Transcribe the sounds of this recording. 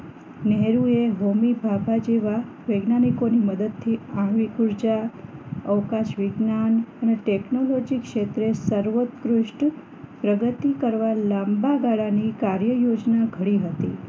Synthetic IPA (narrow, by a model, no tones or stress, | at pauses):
nɛɦɾueɦomibʱabʱad͡ʒeʋa | ʋəɡnanikoniməd̪əd̪̚t̪ʰiãɳ̃ʋikuɾd͡ʒa | əʋkaʃʋiɡnanəneʈeknolod͡ʒikʃet̪ɾesəɾʋot̪kɾuʂʈ | pɾəɡət̪ikəɾʋalambaɡaɭanikaɾjəjod͡ʒnaɡʱəɽiɦət̪ḭ